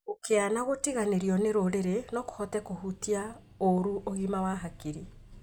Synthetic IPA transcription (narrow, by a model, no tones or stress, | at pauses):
okʰeanaɣotiɣaneɾiɔneɾoɾeɾenɔko̥hɔtɛkohutia | oɾuʔoɣimawaɦakiɾi